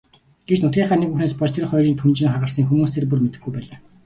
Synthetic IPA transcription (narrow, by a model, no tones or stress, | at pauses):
ɡ̥et͡ɕnʊt̪ʲiːɴχaːnekuxneːspɔt͡ɕt̪ʰerχɔjɾʲiːnt̪ʰunt͡ɕɪ̆ŋχaʁə̆ɮsə̆ŋxumuːst̪ʰerp̬urmet̪ɘ̆ɡːujpæːɮaː